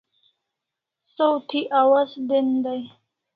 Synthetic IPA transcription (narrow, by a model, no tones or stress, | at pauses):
sowt̪ʰiʔawazd̪ɪnd̪aj